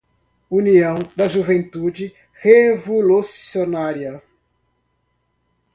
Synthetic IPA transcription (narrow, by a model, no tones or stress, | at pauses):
uniɐ̃w̃d̪ɐʒuvẽnt̪ud͡ʒɪ | hevolusionaɾiɐ